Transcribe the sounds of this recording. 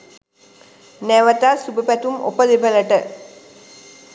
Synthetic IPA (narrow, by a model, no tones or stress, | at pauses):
næʋət̪asubəpæt̪umo̰pəd̪ebələʈə